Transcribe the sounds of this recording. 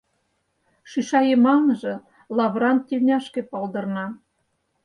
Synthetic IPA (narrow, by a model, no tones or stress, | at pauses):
ʃyʃɑjemɑnɤʒĕ | lˠɑβrɑnt̪̚tʲːelʲnʲæʃkĕpɑlˠd̪ɤ̆rnɑ